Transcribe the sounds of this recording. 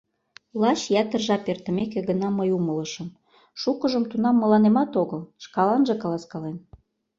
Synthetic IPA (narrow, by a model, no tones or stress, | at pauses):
lɑɕjæt̪ə̆rʒɑpert̪ə̆mekĕɣənɑməjumələʃə̆m | ʃukəʒəmt̪unɑmːə̆lɑnemɑt̪oɣəlʃkɑlɑnʒĕkɑlɑskɑlen